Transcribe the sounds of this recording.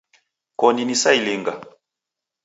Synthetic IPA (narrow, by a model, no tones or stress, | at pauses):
kɔninisailiŋɡa